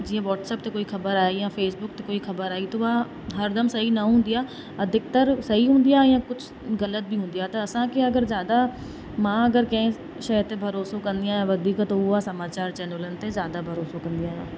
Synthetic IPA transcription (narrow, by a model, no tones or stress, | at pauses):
d͡ʒiãʋɔːʈsɛːp̚t̪ekoːixʰɐbəɾaːjijãːfʰeːsbʊkt̪ekoːixʰɐbəɾaːit̪oːʋaː | ɦɐɾd̪ʱəmsɐɦinaɦʊ̃ːnd̪ijaː | ɐd̪ʱɪk̚t̪əɾsɐɦiɦʊ̃ːnd̪ijaːjãːkʊt͡ʃʰ | ɣələt̪̚bʱiːɦʊ̃ːnd̪ijaːt̪aɐsãːkeɐɡəɾzjaːd̪a | mãːɐɡəɾkəẽ | ʃəət̪ebʱəɾoːsõkə̃nd̪ɪjãːɦẽːʋəd̪iːkt̪ɦuasɐmaːt͡ʃaːɾt͡ʃɛːnələnt̪ezjaːd̪abʱəɾoːsõkə̃nd̪ijãːɦjãː